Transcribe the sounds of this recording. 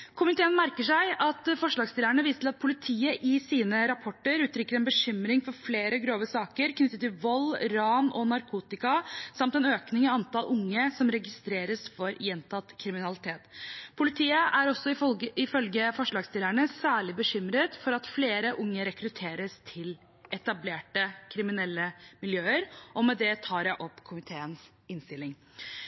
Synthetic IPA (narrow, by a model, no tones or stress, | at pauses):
kʰʊmɪt̪ʰeːənmæɾkəʂæɪɑt̪fɔʂɭɑːɡst̪ɪlæɳəʋiːsət̪ɪlɑt̪pʰʊlɪt̪ʰiːəʔɪsiːnəɾɑpʰɔʈːəɾʉːt̪ɾʏkːəɾɛnbəɕʏmɾɪŋfɔɾfleːɾəɡɾoːʋəsɑːkəɾknʏt̪ːət̪ːɪlʋɔlːɾɑːmɔnɑɾkʰuːt̪ɪkɑsɑmt̪ɛnøːknɪŋɑɑnt̪ɑlʔʊŋːəsɔmɾɛɡɪst̪ɾeːɾəsfɔɾjɛnt̪ʰɑt̪kʰɾɪmɪnɑlɪt̪ʰeːt̪pʰʊlɪt̪ʰiːəʔæɾɔsːɔɪfœlɡəfɔʂɭɑːɡst̪ɪlæɳəsæːɭɪbəɕʏmɾət̪fɔɾɑt̪fleːɾəʔʊŋːəɾɛkɾʉt̪ʰeːɾəst̪ʰɪl | ʔɛt̪ɑbleːʈəkʰɾɪmɪnɛlːəmɪljøːəɾʔɔmɛd̪ɛt̪ʰɑːɾjæɪʔɔpːkʰʊmɪt̪ʰeːəns | ɪnst̪ɪlːɪŋ